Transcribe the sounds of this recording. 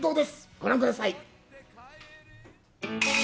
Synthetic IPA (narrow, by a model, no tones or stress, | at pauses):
t̪o̞ːd̪e̞sɡ̥o̞ɾãŋkɯ̟d̪asai